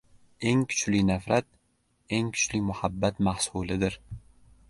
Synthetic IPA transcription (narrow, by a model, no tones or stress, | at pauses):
e̞ŋkʰʊ̥t͡ʃlɪnafɾat̪̚ | e̞ŋkʰʊ̥t͡ʃlɪmʊhabːat̪mahsulɪd̪ɪɾ